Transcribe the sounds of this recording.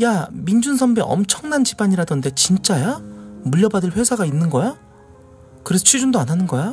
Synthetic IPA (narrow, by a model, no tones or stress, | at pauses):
jamind͡ʑuns̬ʰʌmbeʔʌ̰mt͡ɕʰʌŋnant͡ɕibaɲiɾadʌnde̞t͡ɕint͡ɕ͈ajamuʎːʌbadɯɭɸwe̞sʰaɡainːɯnɡʌja | kɯɾe̞sʰʌt͡ɕʰɥid͡ʑundoanɦanɯnɡʌja